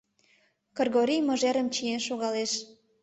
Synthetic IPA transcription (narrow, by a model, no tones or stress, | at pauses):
kɤ̆rɣoɾijmə̆ʒeɾəmt͡ɕijenʃoɣɑleʃ